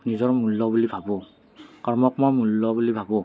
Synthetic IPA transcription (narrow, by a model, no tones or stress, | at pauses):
nizɔɹmulːɔbulibʱabɔ | kaɹmɔk̚mɔmulːɔbulibʱabɔ